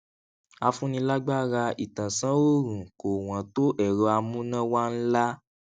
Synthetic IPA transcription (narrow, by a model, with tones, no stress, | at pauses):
a˧fũ˦nĩ˧la˦ɡ͡ba˦ɾa˧i˨tã˨sã˨˦o˦˨ɾũ˨ko˨w̃ã˨to˦ʔɛ˦˨ɾɔ˧˦a˧mũ˦nã˦wa˦n̩˦la˦